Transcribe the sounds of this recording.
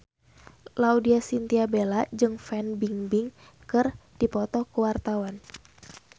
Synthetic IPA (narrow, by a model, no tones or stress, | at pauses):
laudiasint̪iabelad͡ʒɨŋfɛnbiŋbiŋ | kɨrd̥ipɔt̪ɔkəwart̪awan